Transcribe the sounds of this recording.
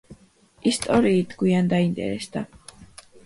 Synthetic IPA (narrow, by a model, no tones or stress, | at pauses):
ist̪ʼɔɾiːt̪ʰɡwiand̪aint̪ʼɛ̰ɾɛsd̪a